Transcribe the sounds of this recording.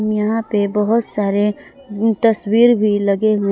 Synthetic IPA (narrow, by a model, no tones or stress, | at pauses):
mjɐɦãpebɐɦʊt̪saːɾe | t̪ɐswiːɾbʱilɐɡẽ